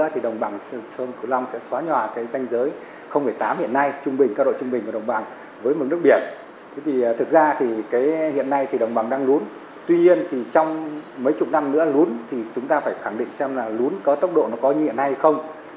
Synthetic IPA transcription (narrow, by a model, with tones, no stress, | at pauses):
ət̪ʰi˨˩ɗə˨˩wŋ͡mɓaː˨˩ŋssə˧nkɨ˧˩la˧wŋ͡msɛ̰˧˥swaː˨˦ɲwaː˨˩kaː˨˦jza˧jŋ̟zəː˨˦j | xə˧wŋ͡mmɨ˧˩əjt̪aː˨˦mhḭ˧˨ənːa˧jt͡ɕʊ˧ŋ͡mɓï˨˩ŋ̟kaː˧ɗo̰˧˨t͡ɕʊ˧ŋ͡mɓï˨˩ŋ̟kːɗə˨˩wŋ͡mɓa˨˩ŋ | vəː˨˦jmo˨˩nɨ˦˥ək̚ɓi˧˩ət̚ | t̪ʰe˨˦t̪ʰi˨˩˨t̪ʰɨ˨˩k̚zaː˧t̪ʰi˨˩kaː˨˦jhḭ˧˨ənːa˧jt̪ʰi˨˩ɗə˨˩wŋ͡mɓa˨˩ŋɗaː˧ŋlu˨˦n | t̪wi˧ɲi˧ənt̪ʰi˨˩t͡ɕɔ˧wŋ͡mmə˨˦jt͡ɕʊ˨˩t̚na˧mnɨ̰˧˥əlu˨˦ənt̪ʰi˨˩t͡ɕʊ˨˦ŋ͡mt̪aː˧faː˧˩jxaː˧˩ŋɗḭ˧˨ŋ̟sɛ˧mlaː˨˩lu˨˦ənkɔ˨˦t̪ə˦˥wk͡p̚ɗo̰˧˨nɔ˨˦kɔ˨˦ɲɨ˧hḭ˧˨ənːa˧jhxə˧wŋ͡m